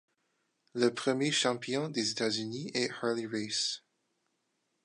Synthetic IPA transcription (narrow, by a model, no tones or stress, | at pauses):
ləpχəmjeʃɑ̃pjɔ̃d̪ezet̪azyniɛhɑliɹes